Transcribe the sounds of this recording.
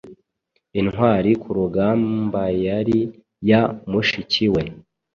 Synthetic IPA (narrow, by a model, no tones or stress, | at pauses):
inhwaːɾikʰuɾuɡaːmbajaɾi | jamuʃiciwe